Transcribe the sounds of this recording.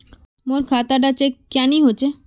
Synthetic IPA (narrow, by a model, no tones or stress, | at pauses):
moɾkʰat̪aɖat͡ɕekkːaniɦot͡ɕʰe